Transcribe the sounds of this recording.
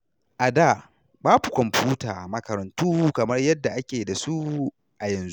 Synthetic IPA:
ʔa˨daː˦˨ | baː˦bu˨kʷɔ˨mɸuː˦taː˨mɐ˨kɐ˨ɾɐ˨ntuː˦kɐ˨mɐ˦rjɐ˦dːa˨ʔa˦kʲeː˨da˨su˦ | ʔa˨jɐ˨nzu˦ʔ

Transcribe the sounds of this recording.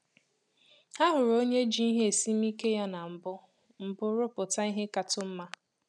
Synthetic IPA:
a˦ɦʊ˨ɾo˦ɲe˦d͡ʒi˦i˦ɦe˦e˨si˦m̩˦i˦ke˦ja˦na˨m̩˨bʊ˦ | m̩˨bʊ˦ɾʊ˦pʊ˨ta˦i˦ɦe˦ka˨tʊ˦m̩˦ma˦

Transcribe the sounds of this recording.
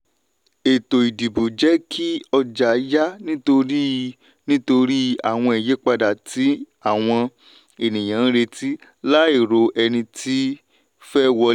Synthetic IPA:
e˨to˨i˨di˨bu˨d͡ʒɛ˨˦kʰi˦ɔ˧d͡ʒa˨˦ja˦nĩ˦to˧ɾi˦ | nĩ˦to˧ɾi˦a˦˨w̃ɔ̃˧i˨je˨˦k͡pa˧da˨ti˨˦ | a˦˨w̃ɔ̃˧ | e˨nĩ˨j̃ã˨˦ɾe˧ti˦la˦i˦˨ɾo˨˧ʔɛ˧nĩ˧tʰi˦ | fɛ˦wɔ˧

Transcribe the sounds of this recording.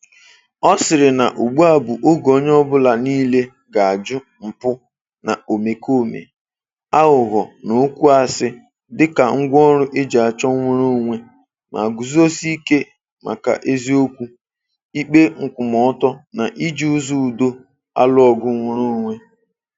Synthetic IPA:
ɔ˦sɪ˨ɾɪ˨na˨ʔu˨ɡ͡bu˦a˨bʊ˨ʔo˦ɡo˨˦ɲ˦ɔ˦bʊ˦la˨niː˦le˦ | ɡa˨a˨d͡ʒʊ˦ | m̩˨pʊ˦ | na̰˨o˨me˨kʰo˦˨mḛ˨ | a˦ɣʊ˨ɣɔ˨no˨˦kʷu˦a˦˨sɪ˦ | dɪ˦ka˨ŋ̩˦ɡʷɔ˦ɾʊ˦ʔe˦d͡ʒa˨a˨t͡ʃɔ˦ŋʷe˦ɾo˦ŋʷe˦ | mʔa̰˨ɡu˨zo˦si˦ke˦ | mʔa̰˨ka̰˨ʔe˦zi˦o˦kʷu˦ | i˦k͡pe˦ŋ̩˨kʷʊ˨mɔ˨˦tɔ˦na˨ʔi˦d͡ʒi˦u˦zu˦˨do˦ | a̰˦lʊ˦ɔ˨ɡʊ˦ŋʷʊ˦ɾo˦ŋʷe˦

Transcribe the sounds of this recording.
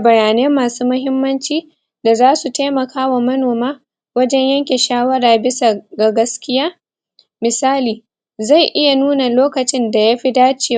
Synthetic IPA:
ʔa˨bɐ˨ɾaː˨neː˦mːaː˨suː˦mʊ˦ɦɪ˦mːɐ˦nt͡ʃiː˦ | da˨zaː˦su˨teː˦mɐ˨kʰaː˦wa˨mɐ˦noː˨maː˦ | wɐ˦d͡ʒɛ˦ɲjɐ˦ŋkʲe˨ʃaː˦wɐ˦ɾaː˨bɪ˦sa˨ɡa˨ɡɐ˦skʲɪ˦jaː˦ | mɪ˨saː˦liː˨ | za˦˨jʔɪ˦ja˨nuː˦na˨loː˦kɐ˨t͡ʃɪ˦nda˨ja˦ɸi˦daː˦t͡ʃeː˨

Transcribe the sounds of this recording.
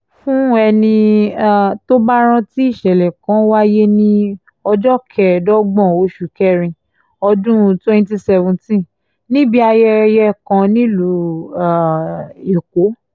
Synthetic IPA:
fũ˦ɛ˧nĩ˧a˨to˦ba˦ɾ̃ã˦˧ti˦i˦˨ʃɛ˨lɛ˨kã˨˦wa˦je˦nĩ˦ | ɔ˧d͡ʒɔ˦kʰɛ˨dɔ˦ɡ͡bɔ̃˦˨o˨˦ʃu˨kɛ˦˨ɾĩ˧ | ɔ˧dũ˦˧twɛ̃˦n˦ti˦sɛ˧vũ˧˨tĩ˦ | nĩ˦bi˦a˧jɛ˦jɛ˦kã˧nĩ˦lu˨˦ã˨e˨ko˨˦

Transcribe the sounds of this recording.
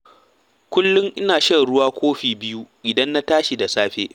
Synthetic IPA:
kʷʊ˦lːʊ˦ŋʔɪ˦naː˨ʃɐ˦nɽʊ˦waː˦kʷoː˦ɸiː˨bɪ˦ju˦ʔʲɪ˨dɐ˦nːa˦taː˦ʃi˨da˨saː˦ɸḛː˦

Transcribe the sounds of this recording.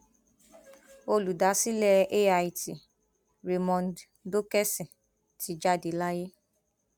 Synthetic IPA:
o˧lu˨da˨˦si˦lɛ˦e˦a˧i˨ti˨ | ɾe˧mɔ̃˧nd | do˦kɛ˦sĩ˨ | ti˨˦d͡ʒa˦˨de˨˦la˦je˦

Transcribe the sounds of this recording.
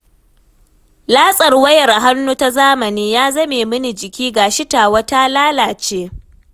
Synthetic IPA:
laː˦sʼɐ˨rwɐ˦jɐ˨rʔa˨ɦa˦nːu˦ta˦zaː˦mɐ˨niː˦jaː˦zɐ˦meː˨mɨ˦ni˨d͡ʒɪ˨kʲiː˦ɡaː˨ʃɪ˦ta˨wɐ˦ta˦laː˦laː˨t͡ʃeː˦

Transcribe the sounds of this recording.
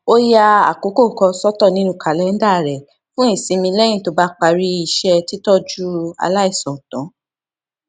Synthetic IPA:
o˦ja˦˧a̰˨ko˨˦ko˦˨kɔ˧sɔ˦tɔ˦˨nĩ˦nũ˦˨ka˨lɛ˨˦n̩˦da˦˨ɾɛ˨ | fũ˦i˦˨sĩ˧mĩ˧lɛ˦j̃ĩ˦˨to˧˦ba˦k͡pa˧ɾi˦i˨ʃɛ˧ti˦tɔ˦d͡ʒu˦a̰˧la˦i˦˨sɔ̃˨tɔ̃˨˦

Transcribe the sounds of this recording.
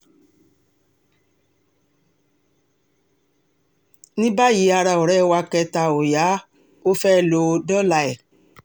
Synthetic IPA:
nĩ˦ba˦ji˨˦a˧ɾa˧˨o˨ɾɛ˦wa˧kɛ˧ta˧˨o˨ja˨˦ | o˦fɛ˦˧˨lo˧dɔ˦la˧ɛ˨

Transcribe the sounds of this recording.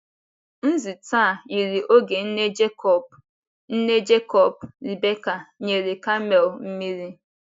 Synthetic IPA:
n̩˦zi˨ta˦˨i˨ɾi˨ʔo˦ɡe˨n̩˦ne˦d͡ʒkɔ˨ | n̩˦ne˦d͡ʒe˦kɔ˨bɾi˨be˦ka˨ɲe˨ɾi˨ka˦mɛ˨lm̩˦mi˦ɾi˦

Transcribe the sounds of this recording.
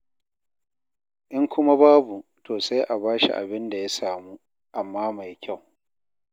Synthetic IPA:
ʔɪ˦ŋkʷʊ˦ma˦baː˦bu˨tʰoː˨sa˦jʔa˨baː˦ʃḭ˨ʔa̰˨bɪ˦nda˨ja˦saː˨muː˦ | ʔa˨mːaː˦ma˨jkʲa˦˨w

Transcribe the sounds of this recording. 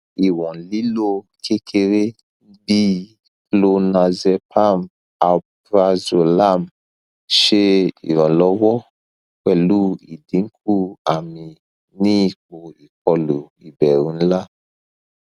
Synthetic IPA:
i˨wɔ̃˨li˦lo˦ | kʰe˦kʰe˧ɾe˦ | bi˦ | klo˧nã˧zɛ˧pʰa˦m | a˨b | ɾa˧zo˨la˦˨m | ʃe˦ḭ˨ɾɔ̃˨lɔ˨˦wɔ˦ | kɛ˦˨lu˦i˨dĩ˨˦ŋ̩˦k̚ʰu˦a˨mĩ˧ | nĩ˦i˨k͡po˨i˨k̚ɔ˧lo˨i˨bɛ˨ɾ̃ũ˨˦la˦˨

